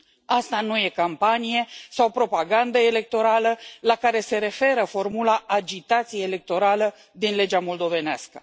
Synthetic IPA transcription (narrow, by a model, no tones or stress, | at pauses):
ast̪anuje̞kampanije̞sawpɾo̞paɡand̪əele̞k̚t̪o̞ɾaləlakaɾe̞se̞ɾe̞fe̞ɾəfo̞rmulaʔːd͡ʒit̪at̪sijeːle̞k̚t̪o̞ɾalə | d̪inle̞d͡ʒamo̞ld̪o̞ve̞nea̰skə̥